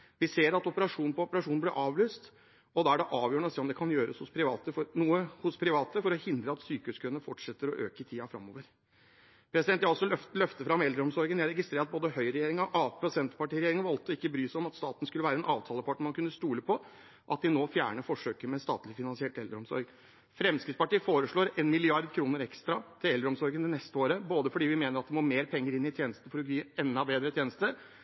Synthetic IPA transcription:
ʋɪseːɾɑt̪ɔpəɾɑʂuːnn̩pʰɔɔpəɾɑʂuːnnblɪɾʔɑːʋløːst̪ | ɔd̪ɑːæɖɛʔɑːʋjøːɳəɔseːɔmd̪ɛkʰɑnjøːɾə̰shʊspʰɾɪʋɑːt̪əfɔɾnuːəhʊspʰɾɪʋɑːt̪əfɔɾɔhɪnd̪ɾəɑt̪syːkəʉːskʰʉnəfɔʈʂɛt̪ːəɾɔʔø̰ːkət̪ʰiːɑfɾɑ̰mːo̰ːʋəɾ | pʰɾɛsɪd̪ɛnt̪jæɑlsɔlœft̪əfɾɑmɛld̪ɾəɔmsɔɾɡənjæɪɾɛɡɪst̪ɾeːɾɑt̪̚boːd̪əhœʏɾɛjeːɾɪŋɔʔɑːpɔsɛnt̪pɑʈiːɾɛjeːɾɪŋʋɑlt̪ɔɪkːəbɾyːsɔmɑt̪st̪ɑːt̪n̩əskʉlːʋæːɾəɛnʔɑːʋt̪ʰɑːləpʰɑʈːɳ̩mɑnkʉnːəst̪uːləpʰɔ | ʔɑt̪̚d̪ɪnoːfjæ̰ːɳəfɔʂøːkəɾmɛst̪ɑ̰ːt̪lɪfɪnɑnsɪɛʈɛld̪ɾɔmsɔ̰ɾɡ | fɾɛmskɪt̪spɑʈiːfoːɾəʂɭoːɾenmɪlɪɑɾd̪kʰɾuːnəɾɛkst̪ɾɑt̪ʰɪlɛld̪ɾəɔmsɔɾɡənd̪ɪnɛst̪əoːɾəboːd̪əfɔɖiːʋɪmeːnəɾɑt̪d̪ɪmoːmeːɾpʰɛŋːəɾɪnːɪt̪ʰjeːnəst̪n̩əfɔɾɔɡyːɛnːɑbeːd̪ɾət̪jeːnəst̪əɾ

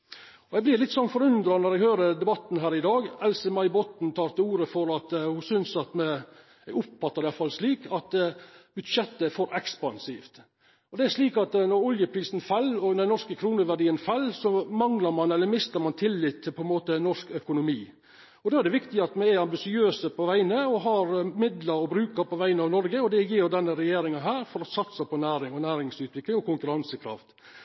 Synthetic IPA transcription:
ɔɛɪɡblɪɾlɪt̪sɔnfɔɾʉnd̪ɾɑnɔɾæɡhøːɾəd̪ɛbɑt̪ːn̩ɦæːɾɪd̪ɑːɡɛlsəmɑɪbɔt̪n̩t̪ʰɑːɾt̪əuːɾəfɔɾɑt̪hʊsʏnsɑt̪mɛ | æɡʊpfɑt̪ːəɾɪɑlfɑlʂliːkʰɑt̪b̥ʉd̪ʂɛt̪ːəfɔɾʔɛkspɑnsḭːft̪ | ɔd̪ɛæʂliːkɑt̪nɔɾɔljəpʰɾiːsn̩fɑlːɔd̪ɛnɔʂkəkʰɾuːnəʋæɖiːənfɑlːsɔmɑŋlɑɾmɑnɛlːəɾmɪst̪əɾmɑnt̪ʰɪlːɪt̪ʰːɪlpʰɔɛnmoːt̪ənɔʂkœkʊnʊmiː | ɔd̪oːæɖ̪ɛʋɪkt̪ɪəɑt̪mɛæɾɑmbɪsɪøːsəpʰɔʋæɪnəɔɦɑɾmɪd̪ləɾɔbɾʉːkəɾpɔʋæɪənəɑːʋnɔɾɡəɔd̪ɛjɪːjʊd̪ɛnːəɾɛjeːɾɪŋɑɦæːɾfɔɾɔsɑt̪sɑpʰɔnæːɾɪŋɔnæːɾɪŋsʉːt̪ʋɪklɪŋɔkʰʊŋkʉɾɑnsəkʰɾɑ̰ft̪

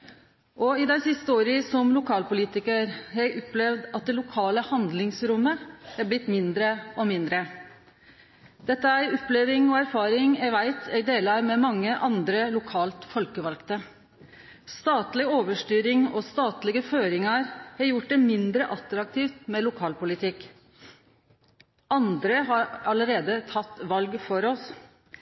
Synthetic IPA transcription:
ʔɔɪd̪æɪsɪst̪əoːɾɪsɔmlʊkʰɑːlpʊliːt̪ɪkəɾhɛʔɔplɛʋd̪ɑt̪̚d̪ɛlʊkʰɑːləhɑnd̪lɪŋsɾʊmːəæb̪ɪt̪mɪnd̪ɾəɔmɪnd̪ɾə | d̪̥ɛt̪ːəæɪɔplɛʋɪŋɔæɾfɑːɾɪŋæʋæɪt̪ɛɡd̪eːlɑɾmɛmɑŋːəʔɑnd̪ɾəlʊkʰɑːlt̪fɔlkəʋɑlkt̪ə | st̪ɑːt̪lɪoːʋəʂʈyːɾɪŋɔst̪ɑːt̪lɪɡəføːɾɪŋɑɾhɑɾjʊʈ̚d̪ɛmɪnd̪ɾəʔɑt̪ɾɑk̚t̪ʰiːft̪mɛlʊkʰɑːlpʊlɪt̪ʰɪk | ɑnd̪ɾəɦɑɾɑləɾeːd̪ət̪ʰɑt̪ːʋɑlɡfɔɾɔs

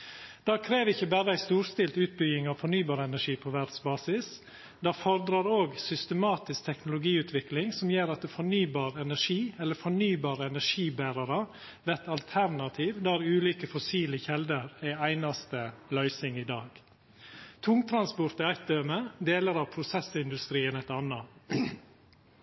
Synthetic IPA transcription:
d̪̥ɑːkʰɾeːʋɪçːəbæːɾəæɪst̪uːɾst̪ɪlt̪ʉːt̪̚bʏɡɪŋɑʋfɔɳyːbɑːɾəɛnæʂiːpʰɔʋæɖ̪sbɑːsɪs | d̪ɑːfɔɾd̪ɾɑɾoːɡsʏst̪əmɑːt̪ɪsk̚t̪ʰɛknʊlʊɡiːʉːt̪ʰʋɪklɪŋsɔmjeːɾɑt̪̚d̪ɛfɔɳyːbɑːɾɛnæʂiːɛlːəfɔɳyːbɑːɾəɛnæʂiːbæːɾɑɾɑ | ʋæt̪ɑlt̪ʰæɾnɑt̪ʰiːʋd̪ɑːæɾʉːliːkəfɔsiːlɪçɛld̪əɾæɪæɪnɑst̪əlœʏsɪŋiːd̪ɑːɡ̥ | t̪ʰʊŋt̪ʰɾɑnspʊɾt̪ɪæɪt̪̚d̪øːməd̪eːləɾɑʋpʰɾʊsɛsɪnd̪ʉst̪ɾiːənɛt̪ɑnɑ

